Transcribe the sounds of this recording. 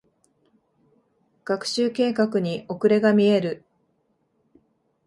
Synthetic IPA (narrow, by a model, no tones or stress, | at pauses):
ɡ̥akɯ̟̥ɕɨːke̞ːkakɯ̟ɲ̟iʔo̞kɯ̟ɾe̞ɡamʲie̞ɾɯ̟